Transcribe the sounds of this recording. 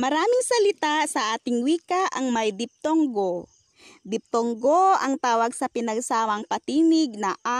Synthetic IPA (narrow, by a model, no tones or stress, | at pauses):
mɐɾaːmɪŋsɐlɪt̪asɐʔaːt̪ɪŋwiːkaʔɐŋmɐjd̪ɪp̚t̪oŋɡo | d̪ɪp̚t̪oŋɡoɐŋt̪aːwɐɡsɐpɪnɐɡsaːmɐŋpɐt̪iːnɪɡ̚nɐʔa